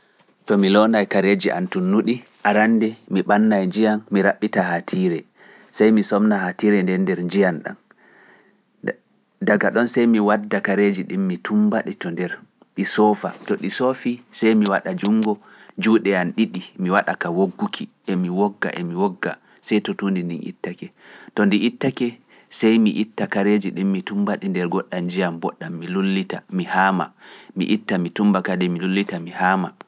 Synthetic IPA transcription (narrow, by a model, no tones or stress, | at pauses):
tɔmilɔnajkaɾed͡ʒiʔa̰ntunːuɗi | ʔaɾandɛmiɓanːajd͡ʒijanmiɾaɓːitahatʰiːɾɛ | sajmisɔmnahatiɾɛndɛndɛɾɲd͡ʒijanɗa̰n | daɡaɗɔnsajmiwadːakaɾed͡ʒiɗimːitʰumbaɗitɔndɛɾ | ɗisɔfa̰tɔɗisofisajmiwaɗad͡ʒuŋɡɔ | d͡ʒuːɗɛanɗiɗimiwaɗakawoɡːukʰiʔɛmiwɔɡːa̰ʔɛmiwɔɡːa | sajtɔtundindinḭtːakɛ | tɔndiʔitːakɛ | sajmiʔitːakaɾed͡ʒiɗimːitumbaɗindɛɾɡɔɗːand͡ʒijambɔɗːamːilulːitamihama̰mḭʔitːamitumbakadɛmilulːitamihaːma̰